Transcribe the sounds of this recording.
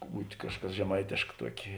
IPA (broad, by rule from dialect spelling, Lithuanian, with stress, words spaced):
ˈbuːtʲ ˈkɑːʃˌkɐs ʒʲɛˈmɐɪtʲeːʃk ˈtuɔkʲeː